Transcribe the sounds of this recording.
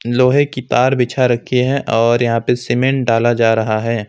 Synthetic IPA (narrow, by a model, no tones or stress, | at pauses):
loːɦẽkit̪aːɾbɪt͡ʃʰaɾɐkʰːeɦɛ̃ʔɔːɾjɐɦãpesɪmẽɳʈɖaːlad͡ʒaːɾɐɦaɦɛː